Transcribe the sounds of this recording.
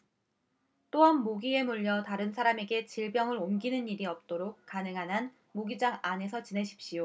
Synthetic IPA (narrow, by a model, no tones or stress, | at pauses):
t͈oʌnːoɡie̞muʎːʌtaɾɯnsʰaɾame̞ɡe̞t͡ɕiɭbjʌŋɯɾomɡinɯniɾiʌp̚t͈oɾok̚k͈anɯŋɦanɦan | moɡid͡ʑaŋane̞s̬ʰʌt͡ɕine̞ɕʰi̥p̚ɕ͈ijo